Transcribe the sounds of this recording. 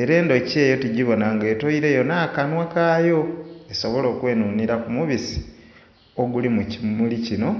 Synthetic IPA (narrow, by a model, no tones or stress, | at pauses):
e̞ɾe̞ːndo̞ce̞ːjo̞tiɟiβo̞naŋɡetoiɾe̞jo̞naːkanwakaːjo̞esoβo̞lo̞ːkwe̞ːnuːniɾakumuβisi̥ | oɡulimmulicino̞